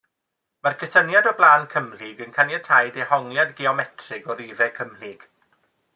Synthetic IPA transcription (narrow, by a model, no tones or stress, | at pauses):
markʰəsənjadɔblˠaːnkʰəmlɪɡənkʰanjatʰajdehɔŋljadɡiɔmɛtʰrɪɡɔɾiːvɛkʰəmlɪɡ̥